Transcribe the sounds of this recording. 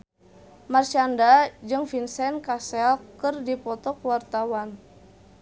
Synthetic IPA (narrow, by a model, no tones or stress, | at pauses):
marʃiandad͡ʒɨŋfinsɛnkasɛlkɨrdipɔt̪ɔkwart̪awan